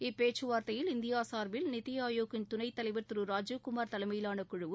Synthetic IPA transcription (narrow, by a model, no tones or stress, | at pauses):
ɪpːeːt͡ʃːɯʋaːɾt̪ɐjɪlɪnd̪ɪjaːsaːɾʋɪlnɪt̪ːɪjaːjoːɣɪnt̪ʊnɐɪt̪ːɐlɐɪʋɐɾt̪ɯɾɯɾaːd͡ʒukʊmaːɾt̪ɐlɐmɐjɪlaːnɐkːʊɻɯʋɯ